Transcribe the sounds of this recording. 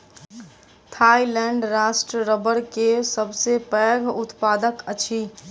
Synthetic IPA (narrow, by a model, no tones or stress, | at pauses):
t̪ʰailɛ̃ɳɖɾasʈɾəɾəbəɾkesəbʱsepəɡʱʊt̪paːd̪əkət͡ʃʰi